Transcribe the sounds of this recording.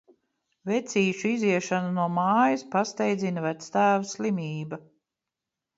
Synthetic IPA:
vɛt̪siːʃuiziɛʃanunuɔmaːjɐspast̪ɛjd̪zinɐvæt̪st̪æːvaslimʲiːbɐ

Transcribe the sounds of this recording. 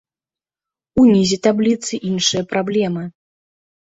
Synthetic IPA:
unʲizʲit̪ablʲit̪sɨʔinʂɨjɐpɾablʲɛmɨ

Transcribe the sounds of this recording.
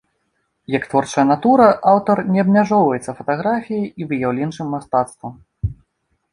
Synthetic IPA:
jɐkt̪vɔrt͡ʂɐjɐnat̪uɾɐʔawt̪ɐrnʲɛɐbmʲaʐɔwvɐjɛt̪sːɐfɐt̪aɣɾafʲijɐjivɨjawlʲɛnt͡ʂɨmːast̪at̪st̪vɐ

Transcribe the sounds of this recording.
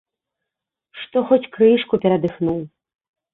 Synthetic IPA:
ʂt̪ɔxɔt͡sʲkɾɨʂkupʲɛɾɐd̪ɨxnuw

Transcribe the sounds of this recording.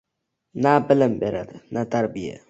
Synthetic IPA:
nabələmbɛɾat̪nat̪aɾbia̰

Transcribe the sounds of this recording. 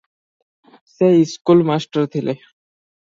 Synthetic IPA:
sɛiskulmasʈəɾt̪ʰile

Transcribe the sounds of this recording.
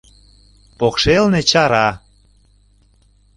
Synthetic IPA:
pokʃelnet͡ɕɑɾɑ

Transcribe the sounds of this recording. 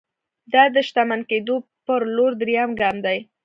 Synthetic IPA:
d̪ɑd̪əʃt̪amanked̪opəɾloɾd̪ɾjɑmɡɑmd̪aj

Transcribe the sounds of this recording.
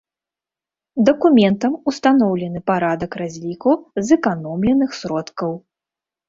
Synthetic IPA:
d̪ɐkumʲɛnt̪ɐmust̪anɔwlʲɛnɨpaɾad̪ɐkrazʲlʲikuzɨkanɔmlʲɛnɨxsʲɾɔt̪kɐw

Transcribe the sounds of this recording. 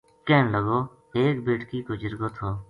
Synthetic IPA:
kɛːnləɡoː | eːkbeːʈkiːkʊd͡ʒəɾɡoːt̪ʰoː

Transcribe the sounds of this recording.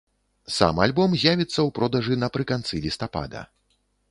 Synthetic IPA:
sa̰malʲbɔmzʲjavʲit̪sːɐwpɾɔd̪ɐʐɨnɐpɾɨkant̪sɨlʲist̪apa̰d̪ɐ̰

